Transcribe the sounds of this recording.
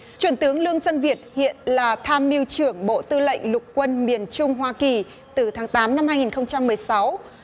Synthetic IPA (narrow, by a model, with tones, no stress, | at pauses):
t͡ɕwi˨˩ənt̪ɨ˨˦əŋlɨ˧əŋsə˧nvi˨˩ət̚hḭ˧˨ənlaː˨˩t̪ʰaː˧mːi˧wt͡ɕɨ˧˩əŋɓo̰˧˨t̪ɨ˧lə̰˧˨jŋ̟lʊ˨˩k͡p̚kːwə˧nmi˨˧˩ənt͡ɕʊ˧ŋ͡mɦwaː˧ki˨˩ | t̪ɨ˨˩t̪ʰaː˨˦ŋt̪aː˨˦mna˧mhaː˧jŋi˨˩nxə˧wŋ͡mt͡ɕa˧mːɨ˨˩əjsa˨˦w